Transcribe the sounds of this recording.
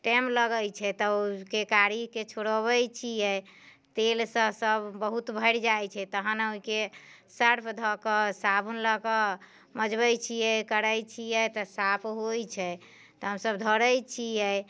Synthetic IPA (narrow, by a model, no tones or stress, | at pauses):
ʈɛmləɡəjt͡ʃʰɛt̪ɔkekaɾiket͡ʃʰoɽəbəjt͡ʃʰijɛ | t̪elsə̃səbːəɦut̪bʱəɾd͡ʒajt͡ʃʰɛt̪əɦənuike | səɾpʰd̪ʱɔkəsabunləkə | məd͡ʒbəjt͡ʃʰijɛkəɾəjt͡ʃʰijɛt̪ɔsapʰɦojt͡ʃʰɛ | t̪ɔɦəmsəbd̪ʱɔɾəjt͡ʃʰijɛ